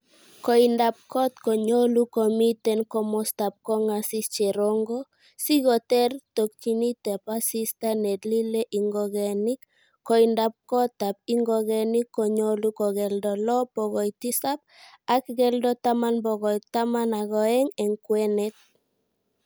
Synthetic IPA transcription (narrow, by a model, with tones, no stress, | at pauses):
kɔ˨i˨nda˨p̚kɔ˦t̪kɔ˨ɲo˦lu˦kɔ˨mi˦tɛ˦nkɔ˦mɔ˦sta˨p̚kɔ˦ŋa˨si˦st͡ʃe˨ɾɔ˦ŋɡɔ˦ | si˦ɡɔ˨tɛ˦rt̪o˨kːi˨ni˦t̪ɛ˨pa˦si˦sta˦nɛ˨tli˦le˦ʔi˨ŋɡɔɡɛ˨ni˦kː | ɔ˨inda˨p̚kɔ˦t̪a˨p̚i˦ŋɡɔ˦ɡɛni˦kːɔ˨ɲo˦lu˦kɔ˨ɡɛ˨ldɔ˨lɔ˦pɔ˨ɡɔ˨jti˦sa˦p̚a˦kɡɛ˦ldɔ˦ta˦ma˦nbɔ˨ɡɔ˨jta˦ma˦na˨ɡɔ˨ɛ˦ŋɛ˨ŋkwɛ˦nɛ˦t̪̚